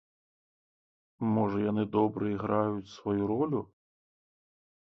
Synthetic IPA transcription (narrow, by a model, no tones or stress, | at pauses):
mɔʐɐjanɨd̪ɔbɾʔɨiɣɾajut͡sʲsvɔjuɾɔlʲu